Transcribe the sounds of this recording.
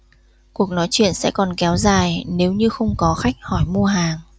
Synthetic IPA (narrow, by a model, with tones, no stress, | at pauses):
ku˨˩ək̚nɔ˨˦jt͡ɕwḭ˧˨ənsɛ̰˧˥kɔ˨˩nkɛ˨˦wzaː˨˩jne˨˦wɲɨ˧xə˧wŋ͡mkɔ˨˦xa˦˥jk̚hɔ˧˩jmu˧əɦaː˨˩ŋ